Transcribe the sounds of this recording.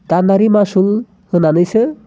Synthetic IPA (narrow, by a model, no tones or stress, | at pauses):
t̪anːaɾimaʃul | hɯnanɯjse